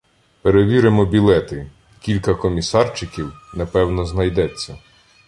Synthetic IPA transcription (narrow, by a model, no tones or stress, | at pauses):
peɾeʋʲiɾɪmɔbʲilˠɛt̪ɪ | kʲilʲkɐkɔmʲisɑrt͡ʃɪkʲiwnɐpɛwnɔznɐjd̪ɛt͡sʲːɐ